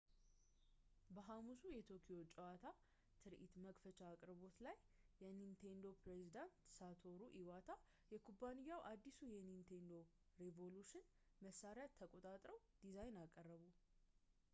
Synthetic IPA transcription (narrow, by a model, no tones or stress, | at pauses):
bəɦamusujɛt̪ʰokʰiot͡ʃʼɛwat̪ʰa | t̪ʰɨɾʔḭt̪məkfət͡ʃʼaːkʼɾβo̞t̪lajː | ɛnint̪ʰend̪o̞pɾezid̪ant̪sat̪ʰo̞ɾuʔiwat̪ʰa | jɛkʰubanijːawʔad̪ːisujɛnint̪ʰend̪o̞ | ɾevo̞luʃɪn | məsːaɾɪjat̪ʰːəkʼo̞t̪ʼat̪ʼɾəw | d̪̥izajnakʼərːəβu